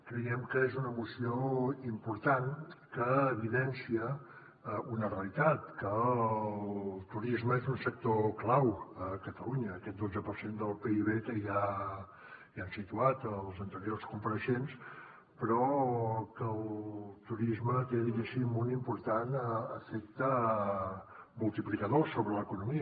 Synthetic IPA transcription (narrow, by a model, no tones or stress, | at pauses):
kɾəjɛmkəezunəmusioimpuɾt̪ankəːβiðɛnsiə | unəreəlit̪at̪kə | llˠt̪uɾizməezunsək̚t̪oklawəkət̪əluɲəːkɛt̪̚d̪od͡zəpəɾsend̪əlˠpeiβ̞ek̪əja | iansit̪uat̪əlˠzənt̪əɾiorskumpəɾəʃens | pɾɔkəlˠt̪uɾizmət̪eðiɣesimːolˠimpuɾt̪anəəfek̚t̪ə | mulˠt̪iplikəðosoβɾələkunumiə